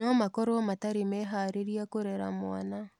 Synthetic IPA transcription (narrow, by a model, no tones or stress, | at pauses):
nɔmakɔɾoɔmataɾimɛɦaɾeɾiakoɾɛɾa̰mwana